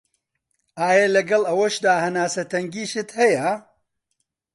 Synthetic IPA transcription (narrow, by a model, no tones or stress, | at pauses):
aːjɐlɐɡɐlɐwɐʃd̪aːhɐnaːsɐt̪ɐŋɡiːʃɨt̪hɐjɐ